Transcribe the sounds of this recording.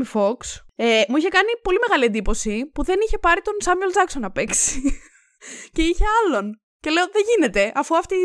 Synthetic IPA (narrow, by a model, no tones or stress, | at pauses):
ifo̞ksemuiçe̞kɐnipo̞lime̞ɣɐliend̪ipo̞sipuðe̞niçe̞pɐɾit̪o̞nsɐmueld͡zɐkso̞nɐpe̞ksi̥ | ce̞içe̞ɐlo̞n | ce̞le̞oðeʝine̞t̪e̞ʔɐfuɐft̪i